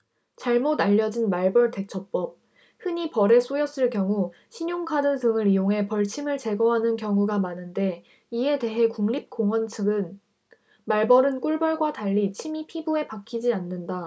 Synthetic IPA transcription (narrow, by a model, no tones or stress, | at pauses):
t͡ɕaɭmodaʎːʌd͡ʑinmaɭbʌɭte̞k̚t͡ɕʰʌp͈ʌp̚ | hɯɲipʌɾe̞s͈ʰojʌs͈ɯɭkjʌŋu | ɕʰiɲoŋkʰadɯsʰɯŋɯɾijoŋɦe̞pʌɭt͡ɕʰimɯɭt͡ɕe̞ɡʌɦanɯnkjʌŋuɡamanɯnde̞ | ie̞te̞ɦe̞kuŋʎip̚k͈oŋwʌnt͡ɕʰɯɡɯn | maɭbʌɾɯnk͈uɭbʌɭɡwataʎːit͡ɕʰimipʰibue̞pakʰid͡ʑianːɯnda